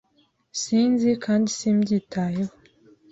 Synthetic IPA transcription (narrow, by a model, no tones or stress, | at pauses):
siːnzikʰaːndisimɟiːtʰaːjeho